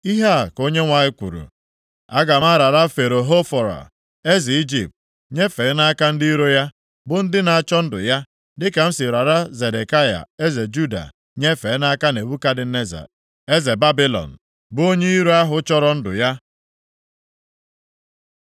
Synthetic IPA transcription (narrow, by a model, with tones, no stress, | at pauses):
i˦ɦa˦˨ko˦ɲe˦ŋʷa˨ɲɪ˦kʷṵ˨ɾṵ˨ | a̰˦ɡa˨ma˦ɾa˨ɾa˦fe˨ɾo˨ɦo˦fɔ˨ɾa̰˨ | e˦zi˨i˦d͡ʒi˨p̚t̚ | ɲe˦fe˨˦na˦ka˦n̩˦di˦i˦ɾo˦ja˦ | bʊ˦n̩˦dɪ˦na˨t͡ʃɔ˦n̩˦dʊ̰˨ja˦ | dɪ˦ka˨m̩˦sɪ˨ɾa˨ɾa˦ze˨de˨ka˦ja̰˨e˦ze˨d͡ʒu˦da̰˨ | ɲe˦fe˨˦na˦ka˦ne˨bu˦ka˦dɪ˨ne˦za̰˨ | e˦ze˨ba˦bi˦lɔ̰˨n̩˨ | bʊ˦o˦ɲe˦i˦ɾu˦a˦ɦʊ˨˦t͡ʃɔ˦ɾɔ˦n̩˦dʊ̰˨ja˦